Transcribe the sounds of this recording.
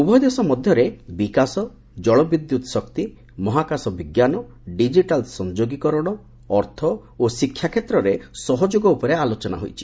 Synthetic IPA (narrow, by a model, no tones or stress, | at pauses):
ubɔd̪esɔmɔd̪ʱjɔɾebikasɔ | d͡ʒɔɭɔbid̪jut̪sɔkt̪i | mɔɦakasɔbiɡjanɔ | ɖid͡ʒiʈalsɔnd͡ʒoɡikɔɾɔɽ̃ɔː | ɾt̪ʰɔ | osikʰːjakʰet̪ɾɔɾesɔɦɔd͡ʒoɡɔupɔɾealot͡ʃɔna̰ɦojt͡ʃʰi̥